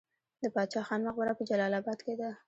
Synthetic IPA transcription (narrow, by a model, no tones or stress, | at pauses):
d̪əpɑt͡ʃɑxɑnmaɣbaɾapəd͡ʒalɑlɑbɑd̪ked̪a